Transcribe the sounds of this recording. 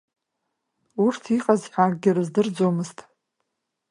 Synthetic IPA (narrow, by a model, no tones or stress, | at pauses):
urtʰiqʼazħʷᶣakʼɡʲɪrɨzdɨrd͡zomɨztʼ